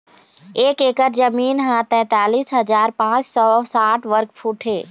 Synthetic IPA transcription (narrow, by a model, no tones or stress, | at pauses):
eːkeːkəɾd͡ʒəmiːnɦãt̪ɛ̃ːt̪aːliːsɦɐzaːɾpãːt͡ʃsɔsaːʈʰʋəɾkfʰuːʈʰɦeː